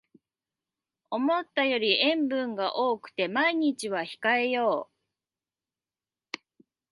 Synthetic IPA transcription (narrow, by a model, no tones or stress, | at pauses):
o̞mo̞t̪ːajo̞ɾʲiẽ̞mbɯ̟̃ŋɡaʔo̞ːkɯ̟̥t̪e̞maiɲ̟it͡ɕiβaçi̥kae̞jo̞ː